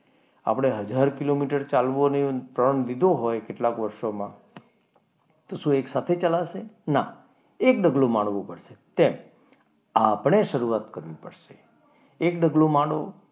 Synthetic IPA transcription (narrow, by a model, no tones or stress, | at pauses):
a̰pɽ̃eɦəd͡ʒaɾkilomiʈəɾt͡ʃalʋonet̪ɾəɳd̪id̪ʱoɦojkeʈlakʋəɾʃomã | t̪oʃũeksat̪ʰet͡ʃalaʃena | ek̚ɖəɡlomãɳʋõpəɽʃet̪em | apɳ̃eʃəɾuat̪kəɾʋĩpəɽʃe | ekɖəɡlomãɽo